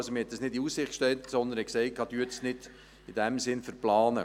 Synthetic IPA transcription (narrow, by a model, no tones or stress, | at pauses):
lsomɪhɛt̪̚dəsnɪdiussɪχkʃtɛltsɔnd̪ənhɛksɛɪtkʰːɑːtyətnɪd̥ | id̥æmsɪnfəɾplɑːnə̰